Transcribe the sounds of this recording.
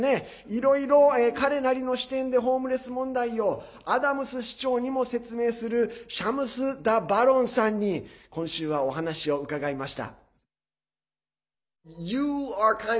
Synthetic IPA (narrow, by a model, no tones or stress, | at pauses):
ne̞ | iɾo̞iɾo̞eːkaɾe̞naɾʲino̞ɕi̥t̪ẽ̞nd̪e̞ɦo̞ːmɯ̟ɾe̞sɨmõ̞nd̪aio̞ | ad̪amɯ̟sɨɕi̥t͡ɕo̞ːɲ̟imo̞se̞t͡sɨme̞ːsɨɾɯ̟ɕamɯ̟sɨd̪abaɾõ̞ɰ̃sãɲ̟ːikõ̞ɰ̃ɕɨːβ̞ao̞ɦanaɕio̞ɯ̟kaɡaimaɕi̥t̪a̰ | jɨaka